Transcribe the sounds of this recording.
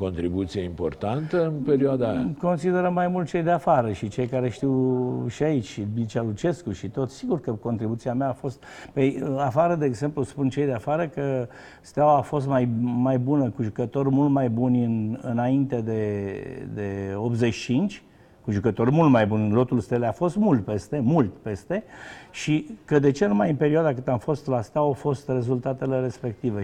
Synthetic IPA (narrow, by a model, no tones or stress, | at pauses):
ko̞nt̪ɾibut̪sijeimpo̞̰rt̪ant̪əɨnpeɾioad̪aa̰ko̞nsid̪eɾəmajmult̪̚t͡ʃe̞jd̪eafaɾəʃit͡ʃe̞jkaɾe̞ʃt̪iwʃiait͡ʃʲʃibit͡ʃalut͡ʃe̞skuʃit̪o̞t̪ssiɡurkəko̞nt̪ɾibut̪siameaːfo̞st̪̚pejafaɾəd̪e̞eːɡze̞mpluspunt͡ʃejd̪eafaɾəkə | st̪awaːfo̞s̬t̪majmajbunəkuʒukət̪o̞rʲmult̪majbunʲɨnɨ̰naint̪e̞d̪e̞d̪e̞o̞p̪ze̞t͡ʃt͡ʃint͡ʃʲ | kuʒukət̪o̞rʲmult̪majbunʲlo̞t̪ulst̪elafo̞st̪mult̪̚pe̞st̪e̞mult̪pe̞st̪e̞ʃikəd̪e̞t͡ʃe̞numajɨmpe̞ɾioad̪akɨt̪amfo̞st̪last̪eawafo̞st̪re̞zult̪at̪eleɾe̞spe̞k̚t̪ivə